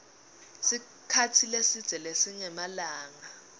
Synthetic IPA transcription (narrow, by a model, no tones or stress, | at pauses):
si | kʰatʰilesid̥z̥ʱɛlesiɲɛmalaːŋa